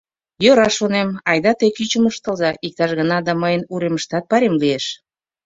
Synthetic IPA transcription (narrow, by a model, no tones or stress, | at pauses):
jøɾɑʃonemɑjd̪ɑt̪ekyt͡ɕə̆məʃt̪ə̆lzɑʔik̚t̪ɑʃɣənɑd̪ɑməjənuɾeməʃt̪ɑt̪̚pɑɾemlieʃ